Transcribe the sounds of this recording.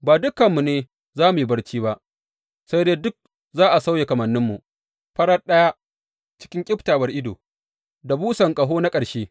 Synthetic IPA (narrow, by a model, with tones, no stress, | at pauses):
baː˨dʊ˦kːɐ˨mːu˨neː˦ | zaː˦mu˨jbɐ˦rt͡ʃiː˦ba˦ʔ | sa˦jdeː˦dʊ˦k̚ | zaː˦ʔa˨sa˦wje˨kɐ˨mɐ˨nːɪ˦mːu˨ʔ | ɸɐ˦ɾɐ˦ɗɐ˦ja˦ | t͡ʃɪ̥˦kʲɪ˦ŋkʲʼɪ˦ɸtaː˨wɐ˦rʔɪ˦do̰ː˨ | da˨buː˦sɐ˨ŋkʼɐ˨ɦoː˦na˦kʼɐ˨ɽʃeː˦